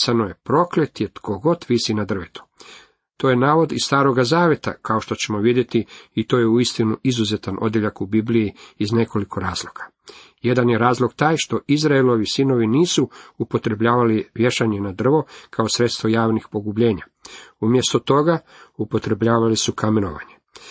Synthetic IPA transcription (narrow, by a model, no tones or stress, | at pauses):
sanoje̞pɾo̞klet̪jet̪kʰo̞ɡo̞t̪ʋisinad̪r̩ʋet̪u̥ | t̪o̞jenaːʋo̞d̪isst̪aːɾo̞ɡazaːʋje̞t̪a̰kaoʃt̪o̞t͡ɕe̞mo̞ʋid̪je̞t̪iit̪o̞ːjeuist̪inuizuzet̪anʔo̞d̪jeʎakubiblijiːzne̞ko̞likʰo̞ɾaːzlˠo̞kḁ | je̞d̪anjeɾaːzlˠo̞ɡt̪aːjʃt̪o̞izɾaelo̞ʋisino̞ʋiniːsuupo̞t̪ɾe̞bʎaːʋaliʋje̞ʃaɲenad̪r̩ʋo̞kʰaosɾe̞t̪st̪ʋo̞jaːʋnixpo̞ɡubʎe̞ːɲaumjest̪o̞t̪o̞ɡa | upo̞t̪ɾe̞bʎaːʋalisukameno̰ʋa̰ɲe